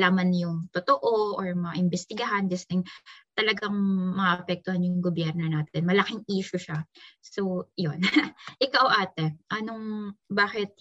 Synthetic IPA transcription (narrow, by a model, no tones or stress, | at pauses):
laːmɐnjʊŋt̪ot̪oʔoʔoɹmɐaʔɪmbɛst̪ɪɡɐɦand͡ʒɐsɛŋt̪ɐlɐɡaŋmɐɐʔɐpɛk̚t̪ʊhanjʊŋɡobjɛɾnonaːt̪ɛnmɐlɐkiŋʔiːʃʊʃasowjonʔɪkawʔaːt̪ɛʔɐnoŋbaːkɪt̪̚